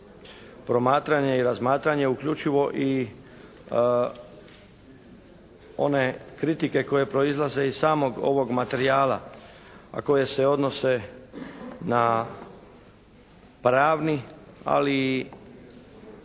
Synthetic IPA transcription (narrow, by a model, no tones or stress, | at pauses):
pɾo̞maːt̪ɾaɲe̞iɾazmaːt̪ɾaɲe̞ukʎut͡ʃiʋo̞ʔi | o̞̰ne̞kɾit̪ike̞ko̞je̞pɾo̞izlˠaze̞izssaːmo̞ɡo̞̰ʋo̞ɡmat̪e̞ɾijaːla̰ | a̰ko̞je̞se̞o̞d̪no̞se̞ | na | pɾaːʋnia̰li